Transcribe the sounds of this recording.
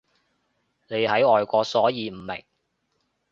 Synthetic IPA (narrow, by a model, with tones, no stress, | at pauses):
ne˨˧jhɐ˨˥jɔː˨˧jkʷɔː˧sɔː˨˥jiː˨˧m̩˨˩mɪ̰˨˩ŋ